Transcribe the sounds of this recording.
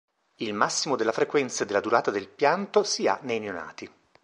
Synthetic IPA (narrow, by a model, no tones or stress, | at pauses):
ilmasːimod̪elːafɾekwɛnt̪sed̪elːad̪uɾaːt̪ad̪elpjant̪osia̰nejneona̰ːt̪i